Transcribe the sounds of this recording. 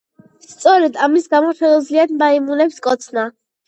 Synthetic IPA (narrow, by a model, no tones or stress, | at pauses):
st̪sʼɔɾɛd̪amisɡamɔt̪ʰɛlˠɔzliad̪maimunɛpskʼɔt̪sʰna